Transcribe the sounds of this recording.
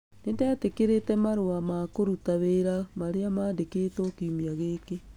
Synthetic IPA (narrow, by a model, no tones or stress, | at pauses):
nendaatekeɾetɛmaɾowamakoɾutaβeɾamaɾeamaːndeketɔkiumiaɣeːke